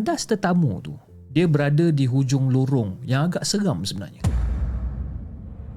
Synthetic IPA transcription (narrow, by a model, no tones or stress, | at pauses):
dast̪ət̪amṵt̪ṵ | diəbəɾadədiɦud͡ʒʊŋluɾʊŋjaŋaɡaʔsəɡamsəbəna̰rɲa